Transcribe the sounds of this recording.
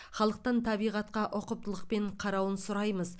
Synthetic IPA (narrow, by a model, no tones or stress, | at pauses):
χɑlˠəq̚t̪ɑnt̪ʰɑbijʁɑt̪̚qɑʔoqəp̚t̪əlˠəq̚pe̞ɴqʰɑɾɑwənsʊɾɑjməz